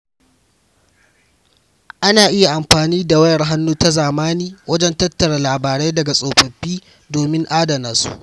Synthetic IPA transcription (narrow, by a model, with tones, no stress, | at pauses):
ʔa˦naː˨ʔɪ˦ja˨ʔa˨mɸaː˨niː˦da˨wɐ˦jɐ˨rɦa˦nːuː˦ta˦zaː˨maː˦niː˦wɐ˦d͡ʒɛ˦ntɐ˦tːɐ˨ɽa˨laː˨baː˨ɾe˦jdɐ˨ɡa˨sʼoː˨ɸɐ˨ɸːiː˦ | doː˨mɪ˦ŋʔaː˦dɐ˨na˨˦sṵ˦ʔ